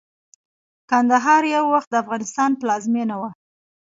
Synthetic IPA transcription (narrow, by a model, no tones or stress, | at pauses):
kand̪aɦɑɾjawːaxt̪̚d̪əafɣɑnɪst̪ɑnplɑzmenawa